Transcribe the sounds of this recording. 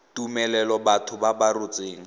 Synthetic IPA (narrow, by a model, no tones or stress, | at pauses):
tumɛlɛlɔbatʰʊbabarʊt͡sʼeːŋ̩